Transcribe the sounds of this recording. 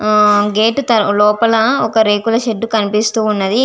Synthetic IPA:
ɡeːʈut̪ɐlɔːpɐlɐɔkɐɾeːkulɐʃeɖːukɐnipist̪uːunːɐd̪i

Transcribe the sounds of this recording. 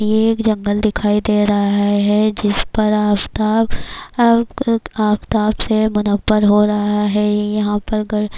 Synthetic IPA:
jeːkd͡ʒɐ̃ŋɡəld̪ɪkʰaːid̪eːɾɐɦaaɦɛd͡ʒɪspɐɾaːft̪aːb | aːft̪aːpsemʊnəbːəɾɦoːɾɐɦaɦɛjɐɦãpɐɾɡɐɽ

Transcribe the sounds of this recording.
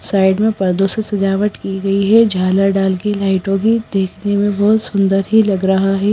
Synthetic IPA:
saːɪɖmẽpɐɾd̪osesɐd͡ʒaːʋəʈkiɡɐiɦɛd͡ʒʱaːləɾɖaːlkelaːɪʈõkid̪eːkʰnemẽbɔːt̪sʊ̃nd̪əɾɦilɐɡɾɐɦaɦɛː

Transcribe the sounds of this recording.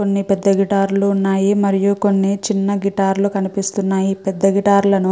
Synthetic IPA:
o̞nːipɛd̪ːɐɡiʈaːɾluːnːaːjimɐɾijuko̞nːit͡ʃinːɐɡiʈaːɾlukɐnipist̪unːaːjipɛd̪ːɐɡiʈaːɾlɐnu

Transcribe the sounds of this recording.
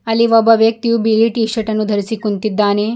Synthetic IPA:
ɐlːiʋɔbɐʋjɐk̚t̪ijubiliʈiːʂɐʈɐnːud̪ʱɐɾisikunt̪id̪ːaːne

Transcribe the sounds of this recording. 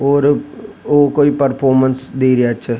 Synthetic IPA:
oːɾ | oːkoːipəɾpʰoːɾmənsd̪eːɾəjaətːʃʰɛ

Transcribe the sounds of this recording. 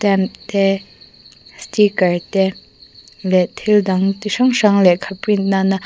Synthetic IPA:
t̪ɛmt̪ɛ | stikaɹt̪ɛ | lɛt̪ʰild̪aŋt̪ʂaŋʂaŋlɛʔkʰapinana

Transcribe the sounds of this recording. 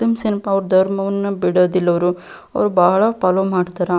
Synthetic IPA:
t̪ːumsinipaːʋɐɾud̪ʱɐɾmɐʋɐnːɐbiɽoːd̪ilːɐʋɐɾu | ɐ̰ʋɐɾubɐɦɐɭɐpɐlomaːɽt̪aːɾɐ

